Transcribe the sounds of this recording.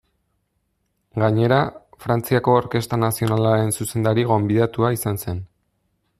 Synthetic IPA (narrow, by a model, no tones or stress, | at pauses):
ɡaɲe̞ɾafɾant͡siako̞ːɾke̞st̪anasio̞nalaɾe̞nsuse̞nd̪aɾiɣ̞o̞mbiðat̪uaisanse̞n